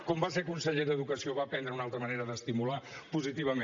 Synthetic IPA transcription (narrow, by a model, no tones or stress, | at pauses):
kɔmbasekunsəʎeðəðukəsioβapɛnd̪ɾəunalˠt̪ɾəməneɾəðəst̪imulapuzit̪iβəme